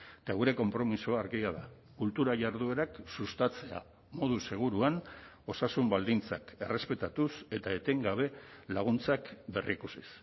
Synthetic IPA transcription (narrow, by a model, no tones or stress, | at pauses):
t̪aɣuɾe̞ko̞mpɾo̞misoaɾɣiaða | kult̪uɾaʝaɾðue̞ɾaksust̪at͡se̞a̰ | mo̞ð̞use̞ɣ̞uɾuan | o̞sasumbald̪int͡sake̞re̞spe̞t̪at̪use̞t̪aet̪eŋɡaβ̞e̞laɣ̞unt͡sakbe̞rikusis